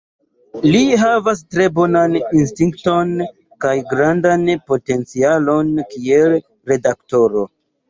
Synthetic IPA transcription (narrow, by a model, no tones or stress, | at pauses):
liɦavas̬tɾe̞bo̞nanins̬tiŋkto̞n | kajɡɾandanpo̞te̞nt͡sialo̞nkiel | ɾe̞dakto̞ɾo̞